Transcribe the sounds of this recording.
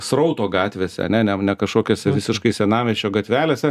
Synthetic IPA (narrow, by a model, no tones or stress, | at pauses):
srɐʊt̪oːɡɑːt̪ʲʋʲeːsʲɛ̰ɐ̰nʲɛnʲɛnʲɛkɐʃkoːkʲoːsʲɛʋʲɪsʲɪʃkɐɪsʲɛnɑːʋʲɛt͡ʃʲoːɡɐt̪ʲʋʲæːlʲeːsʲɛ